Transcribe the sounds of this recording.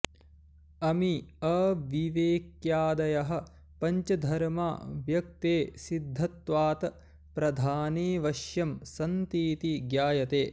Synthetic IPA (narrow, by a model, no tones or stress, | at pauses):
ɐmiɐʋiʋeːkjaːd̪ɐjɐɦɐ̆ | pɐɲt͡ʃɐd̪ʱɐɾma̰ːʋjɐk̚t̪eːsid̪ʱːɐt̪ʋaːt̪ɐ | pɾɐd̪ʱaːneːʋɐʃjɐmsɐnt̪iːt̪iɡjaːjɐt̪eː